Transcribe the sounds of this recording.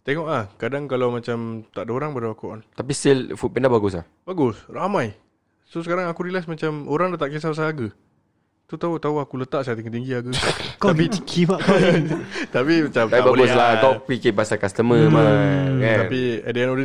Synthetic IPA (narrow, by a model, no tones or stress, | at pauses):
t̪eŋɔʔlahkadaŋkalawmat͡ʃamt̪aʔdəoɾaŋbaɾaakuʔɔ̰nt̪apist̪ilfut̚pɛnabaɡʊsla̰hbaɡʊsramãj | sosəkaɾaŋakuɾilasmat͡ʃamoɾaŋdat̪aʔkis̬apas̬aaɡə | t̪ut̪aut̪auakulət̪aʔsajat̪iŋət̪iŋɡiaɡək̪apiikiba | t̪apimat͡ʃamaibaɡʊslat̪ɔk̚wikipasakast̪əməmaaapiadianodə